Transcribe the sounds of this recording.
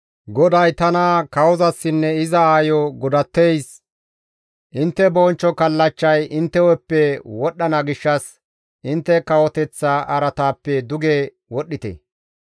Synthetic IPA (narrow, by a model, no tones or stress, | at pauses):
ɡɔd̪ɐjt̪ɐnɐkɐwɔzɐsːɪnːɛɪzɐaːjɔɡʊd̪ɐt̪ːejs | ʔɪnt̪ːɛbɔːnt͡ʃːɔkɐlːɐt͡ʃːɐjɪnt̪ːɛwɛpːɛwɔɗːɐnɐɡɪʃːɐs | ʔɪnt̪ːɛkɐwɔt̪ɛt͡sːɐʔɐɾɐt̪aːpːɛd̪ʊɡe | wɔɗːɪt̪ɛ̰